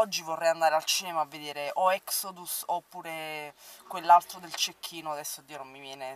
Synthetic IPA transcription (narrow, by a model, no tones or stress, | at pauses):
ɔd͡ʒːivorːɛjand̪aːɾealt͡ʃiːnemaavːed̪eːɾeʔoɛksod̪usopːuːɾekwelːalt̪ɾod̪elt͡ʃekʰːiːnoad̪ɛsːod̪ːiːonomːivjɛːne